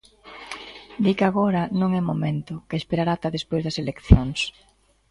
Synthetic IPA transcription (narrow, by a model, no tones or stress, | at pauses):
d̪ikaɣoɾɐnõŋɛmomẽnt̪ʊkeespeɾaɾat̪ɐðespojzðɐselekθjoŋs